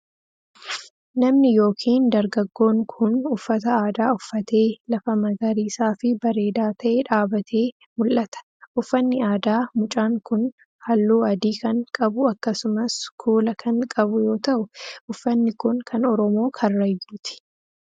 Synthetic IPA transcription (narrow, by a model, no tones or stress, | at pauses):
nɐmnɪjo̞ːkʰiːnd̪ɐɾɡɐɡːo̞ːŋkʰʊnʊfːɐt̪ɐaːd̪aːʊfːɐt̪e̞ːlɐfɐmɐɡɐɾiːsaːfɪbɐɾe̞ːd̪aːt̪ʰɐʔeᶑaːbɐt̪ʰe̞ː | mʊlʔɐt̪ɐ̥ | ʔʊfːɐnːɪaːd̪aːmʊt͡ʃʼaːŋkʊn | hɐlːuːɐd̪iːkɐŋkʼɐbʊɐkːɐsʊmɐskʰuːlɐkʰɐŋkʼɐbʊjo̞ːt̪ɐʔʊʔʊfːɐnːɪkʊnkʰɐnɔɾɔmo̞ːkʰɐrːɐjːuːt̪ɪ̥